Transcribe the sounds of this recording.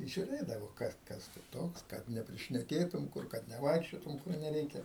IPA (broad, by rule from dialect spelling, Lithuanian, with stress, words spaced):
ʒʲʊˈrʲeːdɐʋoː ˈkɐs ˈkɐs tʊ ˈtoːks kɐt nʲɛpʲrʲɪʃʲnʲɛˈkʲeːtʊm ˈkʊr kɐt nʲɛˈʋɐɪkʃʲt͡ʃʲoːtʊm kʊr nʲɛˈrʲɛɪkʲɛ